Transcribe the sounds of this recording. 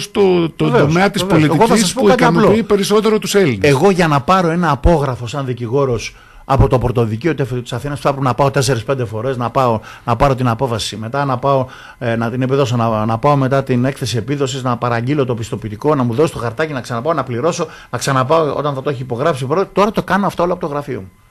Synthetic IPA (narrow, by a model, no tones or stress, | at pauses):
st̪ot̪oveosmeɐt̪isvpoliteiɣoɐsisɐsspouikɐt̪ɐɐnloipe̞ɾiso̞t̪e̞ɾot̪uselineɣo̞ʝɐnɐpɐɾo̞e̞nɐːpo̞ɣɾɐfo̞sɐnðiciɣo̞ɾo̞s | ɐ̰po̞t̪o̞pɾot̪o̞ðiciot̪eft̪i̥sɐθinɐspuθɐpɾepenɐpɐo̞t̪e̞se̞ɾispe̞nd̪e̞fo̞ɾe̞znɐpɐonɐpɐɾo̞t̪inɐpo̞fɐsime̞t̪ɐnɐpɐo̞ | nɐt̪ine̞piðo̞sonɐnɐpɐo̞me̞t̪ɐt̪ine̞kθe̞sie̞piðo̞siznɐpɐɾɐɲɟilo̞t̪o̞pist̪o̞pit̪iko̞nɐmuðo̞sost̪oxɐɾt̪ɐcinɐksɐnɐpɐonɐpliɾo̞so̞ | nɐksɐnɐpɐoo̞̰t̪ɐnθɐt̪o̞eçipo̞ɣɾɐpsipɾot̪o̞ɾɐt̪okɐnoɐft̪ɐoloɐpot̪oɣɾɐfio̞̰mu